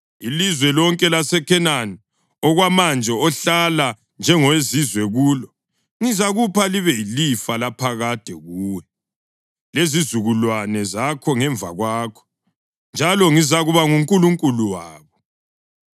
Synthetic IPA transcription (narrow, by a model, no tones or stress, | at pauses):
ilizwɛlɔŋkʼɛlasɛkʰɛnani | ɔɣwamand͡ʒʱɛɔɬala | nd͡ʒʱɛŋɔwezizwɛɣuːlɔ | ŋizaɣupʰaliβɛilifalapʰaɣad̥ʱɛɣuːwɛ | lezizuɣulwanɛzakʰɔŋɛɱvʱa̰ɣwaːkʰɔ̥ | nd͡ʒʱalɔŋizaɣuβaŋuŋkʼuluŋkʼuluwaːβɔ